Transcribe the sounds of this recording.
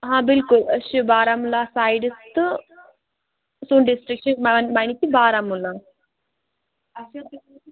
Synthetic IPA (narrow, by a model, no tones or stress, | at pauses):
ɦãːbɪlkuləɕubaːɾamulasaːjɖst̪ɨ | suːnɖisʈɾikʃəmamañit̪ibaːɾamula